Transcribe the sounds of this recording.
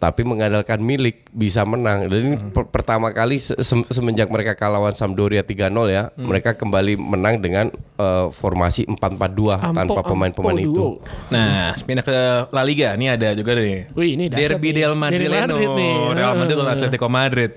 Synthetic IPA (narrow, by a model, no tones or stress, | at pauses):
t̪a̰piməŋadalkanmilɪk̚bis̬amənaŋdaipəpərt̪amakalisəsəsəməɲd͡ʒak̚məɾekakalawansamdoɾiat̪iɡanɔljaməɾekakəmbalimənaŋdəŋanəfɔrma̰siʔəmpat̪̚mpat̪̚duaanpapəmaɪnpəmanit̪unasə̥pinaklaliɡaniadad͡ʒuɡadninidɛrbidɛlmaɪlinealmadɾɪt̪oat̪let̪ikomadɾɪt̪̚